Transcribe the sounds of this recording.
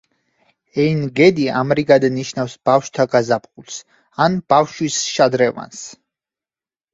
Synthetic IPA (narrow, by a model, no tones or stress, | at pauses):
ɛinɡɛd̪iamɾiɡad̪aniʃnafsb̥afʃt̪ʰaɡazapʰχulˠs | anb̥afʃwisʃad̪ɾɛva̰ns